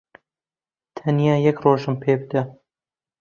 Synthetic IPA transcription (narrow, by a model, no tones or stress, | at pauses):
t̪ʰɐnjaːjɛkroːʒɨmpʰeːbɨd̪ɐ